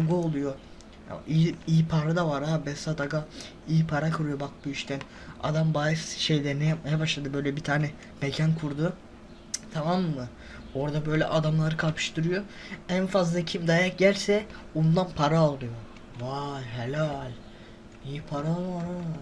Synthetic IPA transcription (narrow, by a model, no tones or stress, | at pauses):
ɡuolˠujo̰ | ijiːipʰaɾad̪avaɾabɛsad̪aɡa | iːpʰaɾakʰɯɾujo̞bak̚buiʃt̪ʰæn | a̰d̪ambajɯsʃe̞jlʲɛɾnɛjap̚majabaʃlˠad̪ɯbø̞jlʲɛbit̪ʰaːnɛ | mecʰankʰuɾd̪u | t̪ʰamamːɯ | o̞ɾd̪abø̞jlʲɛ̰ʔad̪amlˠaɾɯkʰalˠpʰɯ̥ʃt̪ɯɾɯjo | ænfazlˠacʰimd̪ajak̚ɟælʲsɛund̪anpʰaɾaːlˠd̪ɯjo̞ | valʲɦelʲalʲ | ijipʰaɾavaɾa